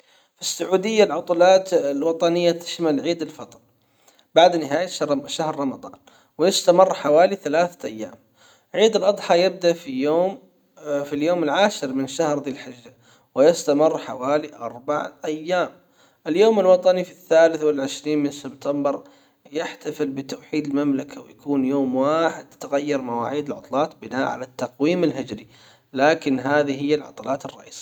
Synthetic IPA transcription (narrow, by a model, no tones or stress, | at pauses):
fisːʊʕuːd̪ɪjːalʕʊt̪ˤulɑːt̪lwɑt̪ˤɑnɪjːat̪ɪ̥ʃmalʕiːd̪ɪlfɑt̪ˤɾ | baʕd̪nɪɦaːjaʃahɾˤɑmɑd̪ˤɑ̰ːn | wɪjɪst̪amɪrˤːħawaːliθalaːθaʔajːa̰ːm | ʕiːd̪ɪlʔɑd̪ˤħɑjɪb̚d̪aʔfijoːm | filjoːmɪlʕaːʃɪɾmɪnʃahɾðiːlħɪʒːa | wɪjɪst̪amɪrːħawaːliʔɑɾˤbaʕʔajːaːm | ʔɪljoːmɪlwɑt̪ˤɑnifiθːaːlɪθwɪlʕɪʃɾiːnmɪnsɪbt̪ʰambɪɾ | jɪħt̪afɪlbɪt̪awħiːd̪ɪlmamlakʰawɪjakuːnjoːmwaːħɪd̪t̪ɪɣajːɑɾˤmawa̰ːʕiːd̪ɪlʕʊ̰t̪ˤlɑːt̪bɪnaːʔʕa̰lat̪ːɑqwiːmɪlɦɪd͡ʒɾi | laːkɪnɦaːðiɦɪjːalʕɑ̰t̪ˤɑlɑːt̪ɨrˤːɑ̰ʔḭːsi̥